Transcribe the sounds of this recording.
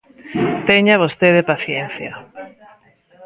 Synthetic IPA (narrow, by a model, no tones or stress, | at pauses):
t̪eɲaβ̞ost̪eðepaθjen̟θja